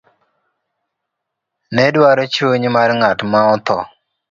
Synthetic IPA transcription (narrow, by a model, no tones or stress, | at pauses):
nɛdwaɾot͡ʃoɲmarŋatmaɔt̪ɔ̰